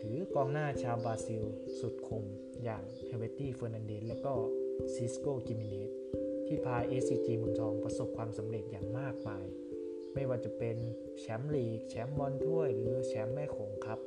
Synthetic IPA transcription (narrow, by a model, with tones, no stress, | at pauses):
t̪ʰɯː˩˦kɔː˧ŋnaː˥˩t͡ɕʰaː˧wbaː˧si˧w | su˨˩t̪̚kʰu˧m | jaː˨˩ŋt̪ʰɛ˧we˦˥t̪iː˥˩fɤː˧na˧nde˧˥˩lɛː˦˥wkɔː˥˩si˦˥skoː˥˩ki˧mi˧neː˦˥t̪̚ʰːiː˥˩pʰaː˧jʔeː˦˥siː˧t͡ɕiː˧mɯː˧ŋt̪ʰɔː˧ŋpɾa˧so˨˩p̚kʰwaː˧msa˩˦mɾe˨˩t̪̚jaː˨˩ŋmaː˥˩k̚maː˧j | ma˥˩jwaː˥˩t͡ɕa˨˩pe˧n | t͡ɕʰɛ˦˥mliː˨˩k̚t͡ɕʰɛ˦˥mbɔː˧nt̪ʰu˥˩əjɾɯː˩˦t͡ɕʰɛ˦˥mːɛː˥˩kʰo˩˦ŋkʰɾa˦˥p̚